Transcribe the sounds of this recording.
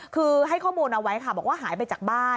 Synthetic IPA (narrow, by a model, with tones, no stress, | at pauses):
kʰɯː˧ɦa˥˩jkʰɔː˥˩muː˧nʔa˧wa˦˥jkʰa˥˩bɔ˨˩k̚waː˥˩ɦaː˩˦jp̬a˧jt͡ɕaː˨˩k̚baː˥˩